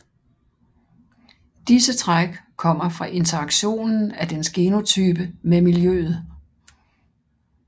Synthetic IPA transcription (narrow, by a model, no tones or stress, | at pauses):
d̥isət͡sʰʁaɡ̥kʰɒ̽m̰ɐfʁɑ̈ʔe̝nt͡sʰɐɑ̈ɡ̥ɕo̝̰ːnn̩æd̥ensɡ̥e̝no̝t͡sʰyːb̥əmemiljøːð̞̩ˠ